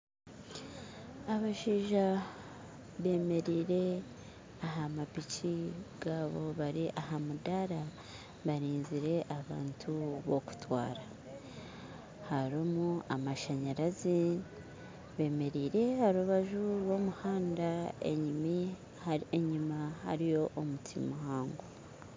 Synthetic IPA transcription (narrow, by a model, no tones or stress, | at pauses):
aβaʃiːʒa | βe̞ːme̞ɾiːɾe̞ | aɦamapicʰiɡ̥aːβo̞βaɾiʔahamudaɾa | βaɾiːnziɾe̞ʔaβa̰ːntʰuβo̞ku̥twa̰ːɾa | haɾomuamaʃaɲaɾazi | βe̞ːme̞ɾiːɾe̞haɾuβaʒuɾwo̞muhaːndaḛɲimi | eɲimaha̰ɾijo̞ʔomutʰḭmuɦaːŋɡo